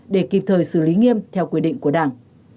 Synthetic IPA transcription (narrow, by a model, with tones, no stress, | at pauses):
ɗe˧˩ki˨˩p̚t̪ʰəː˨˩jsɨ˧˩li˨˦ŋi˧əmt̪ʰɛ˧wkwi˧ɗḭ˧˨ŋ̟ku˧˩əɗaː˧˩ŋ